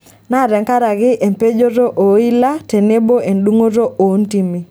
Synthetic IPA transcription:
na˦˨ɾɛ˨ŋka˦ɾa˨ɡɪ˦ʔe˨mpe˦d͡ʒo˦ɾo˦ʔo˨i˦la˦te˨ne˦bo˦e˨ndu˦ŋo˦ɾo˦ʔo˨˦nti˦mi˦

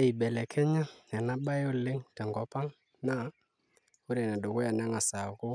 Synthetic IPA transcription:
e˨i˨bɛ˨lɛ˨kʰɛ˦ɲa˦ɛ˨na˦ɓa˦jo˦˨lɪ˦ŋtɛ˨ŋɡɔ˦pa˦ŋ | na˦˨˦ | u˦ɾe˨na˨do˨ku˦ja˨nɛ˦ŋa˨sa˨kʊ˦

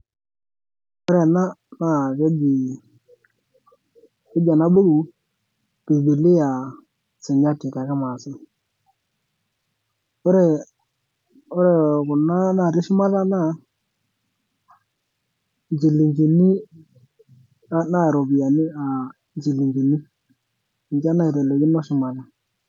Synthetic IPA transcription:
ʊ˦ɾɛ˨na˦na˦˨kɛ˦d͡ʒi˨ | ɛ˦d͡ʒa˨na˦ɓo˦ɡu˨ | b̥i˨bi˨li˦a˨ | sɪ˨ɲa˦ti˨ka˨ka˦ma˨sɪ˦ | ʊ˦ɾɛ˨ | ʊ˦ɾɛ˨kʊ˨na˦na˦˨ɾɪ˦ʃɪ˦ma˦la˦na˦˨ | nd͡ʒi˨li˨ɲd͡ʒi˨ni˦ | a˦na˦˨ɾo˨bi˨ja˨ni˦a˨ | nd͡ʒi˨lːi˨ɲd͡ʒi˨ni˦˨ | ɲd͡ʒa˦na˦i˨ɾɛ˨le˨ɡɪ˦nɔ˦ʃɪ˦ma˨la˦

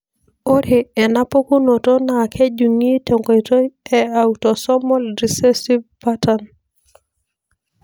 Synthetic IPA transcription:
o˦ɾe˨ɛ˨na˦po˦ku˦no˨to˦na˨kʰɛ˦d͡ʒu˨ŋi˦to˨ŋko˨i˨to˦ɛ˦a˨wutɔ˨sɔ˦mɔ˦lɾi˨se˦si˦vpa˦tan

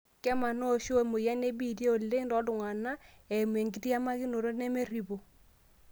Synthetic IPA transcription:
kɛ˦ma˨no˦˨ʃo˦˨mo˨ja˦ne˦bi˦˨de˦o˨le˦ndɔ˨˦dʊ˨ŋa˨na˦ | ɛ˨m˨e˨ŋɡi˨ti˦a˦ma˦kɪ˦no˨ɾo˦ne˦me˦ɾi˨bo˨

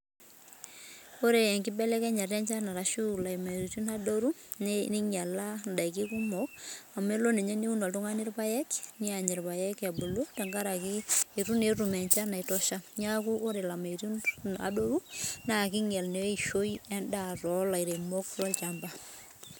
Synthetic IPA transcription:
o˦ɾe˨ɛ˨ŋkɪ˦bɛ˦lɛ˦kɛ˦ɲa˨rɛ˦nt͡ʃa˦na˨ɾa˨ʃu˦˨la˨i˨ma˨i˨ɾi˨t͡ʃu˦na˦do˦ɾu˦ni˦ɲa˨la˦nda˨jk̬i˦ku˦mɔ˨k̚a˨me˦lo˦ne˨ɲɛ˦ni˦u˦nɔ˨ltu˦ŋa˦nɪ˦ɾpa˦jɛ˦knɪ˦a˨ɲɛ˨ɾpa˨jɛ˦ka˨bu˨lo˦ta˨ŋɡa˦ɾa˨ki˦e˨ɾu˦ne˨ɾu˨mɛ˨ɲt͡ʃa˦na˨i˨tɔ˦ʃa˦ɲa˦ku˦ʔo˦ɾe˨la˨ma˨ɾu˦a̰˨do˦ɾu˦na˨k̬ɪ˦ŋɛ˨lne˨e˦ʃo˦jɛ˦ndaɾɔ˦la˨iɾe˨mɔ˦klwa˦lt͡ʃa˨mba˦

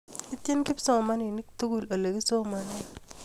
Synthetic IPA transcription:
i˦t̪e˦nki˦psɔ˦˨ma˦ni˨ni˦kt̪u˦ɡu˨lo˨le˨ki˦so˦˨ma˦nɛ˦

